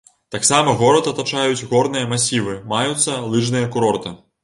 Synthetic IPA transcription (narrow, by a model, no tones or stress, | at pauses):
t̪aksamɐɣɔɾɐt̪ɐt̪at͡ʂajut͡sʲɣɔrnɨjɐmasʲivɨmajut̪sːɐlˠɨʐnɨjɐkuɾɔrt̪ɨ